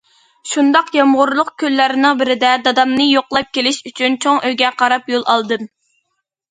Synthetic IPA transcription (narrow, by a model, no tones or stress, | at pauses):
ʃund̪ɑqjɑmʁʊɾlˠʊq̚kʲʰølːæɾɪnɨŋbɪɾɪd̪ɛd̪ɑd̪ɑmnɨjoqlˠɑp̚kʲelɪʃyt͡ʃʰynt͡ʃʰoŋʔøjɡʲɛqʰɑɾɑpjolˠɑlˠd̪ɨm